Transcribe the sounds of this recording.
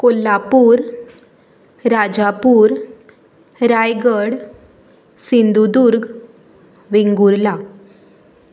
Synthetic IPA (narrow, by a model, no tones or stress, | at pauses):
kolːapuːɾ | ɾad͡ʑapuːɾ | ɾajɡəɽ | sind̪ud̪uɾɡ | ʋeŋɡuɾla